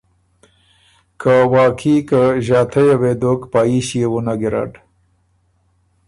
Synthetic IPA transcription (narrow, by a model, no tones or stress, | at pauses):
kʰawaːkʰikaʑaːt̪ʰajawed̪okpaːiɕiewonaɡiɾa̰ɖ